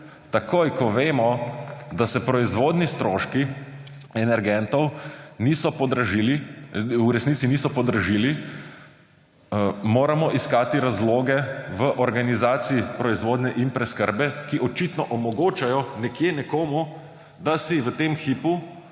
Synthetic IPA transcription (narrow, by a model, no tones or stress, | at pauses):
t̪akoːjkɔʋeːmɔd̪asɛpɾɔizʋoːd̪nist̪ɾoːʃki | ɛnɛɾɡɛnt̪ɔwnisɔpɔd̪ɾaʒiliuɾɛsnit̪siniːsɔpɔd̪ɾaʒiːli | moːɾamɔʔiskaːt̪iɾazloːɡɛʋəʔɔɾɡanizaːt̪siːpɾɔizʋoːd̪ɲɛʔinpɾɛskəɾbɛkiʔɔt͡ʃit̪nɔʔɔmɔɡoːt͡ʃajɔnɛkjenɛkoːmu | d̪asiʋət̪eːmxipu